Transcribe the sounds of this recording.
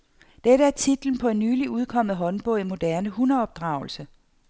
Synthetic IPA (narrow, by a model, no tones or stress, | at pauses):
d̥eɾəæɐt͡sʰid̥l̩n̩pʰɒ̽e̝nːyːliuðˠkʰɒ̽m̰ð̩ˠɦɒ̽nb̥ɔ̽ʊimo̝d̥æɐnəhunɐɒ̽b̥̚d̥ʁɑ̈ʊl̩sə